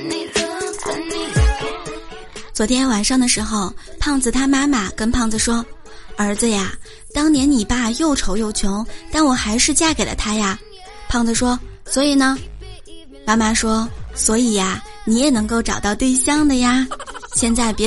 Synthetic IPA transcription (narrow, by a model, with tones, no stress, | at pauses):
t͡swɔ˧˥t̪ʰjɛ˥nwa˨˩nʂɑ˥˩ŋd̪ə˨˩ʂɻ̩˧˥xo˥˧ʊpʰɑ˥˧ŋd͡zɹ̩˨˩t̪ʰa˥ma˥ma˨˩kə˥npʰɑ˥˩ŋd͡z̩˨˩ʂwɔ˥ | ə˞˧˥d͡zɹ̩˧ja˨˩ | t̪ɑ˥ŋnjɛ˧˥nni˨˩pa˥˧jo˥˩ʊʈ͡ʂʰo˧˥ʊjo˥˩ʊt͡ɕʰjʊ˧˥ŋt̪a˥˩nwɔ˨˩xa˧˥ɪʂɻ̩˥˧t͡ɕja˥˩ke˨˩ɪlʔə̰˦t̪ʰa˥ja˧ | pʰɑ˥˩ŋd͡zə˩ʂwɔ˥swɔ˧˥i˨˩nə˧ | ma˥ma˥˧ʂwɔ˥swɔ˧˥i˨˩ja˥˩ni˧˥jɛ˨˩nɤ˧˥ŋko˥˩ʊʈ͡ʂɑ˨˩ʊt̪ɑ˥˧ʊt̪we˥˩ɪɕjɑ˥ŋd̪ə˨ja˧ɕjɛ˥˧nt͡sa˥˩ɪpjɛ˧˥